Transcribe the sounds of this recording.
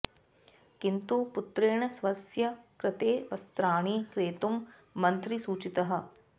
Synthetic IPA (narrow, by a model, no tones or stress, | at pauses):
kint̪uput̪ɾeːɳɐsʋɐsjɐkɾɪt̪eːʋɐst̪ɾaːɳiːkɾeːt̪umː | ɐnt̪ɾisuːt͡ʃit̪ɐɦɐ̆